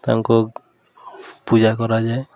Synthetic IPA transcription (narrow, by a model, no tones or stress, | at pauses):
t̪a̰ŋkɔ | pud͡ʒakɔɾad͡ʒaj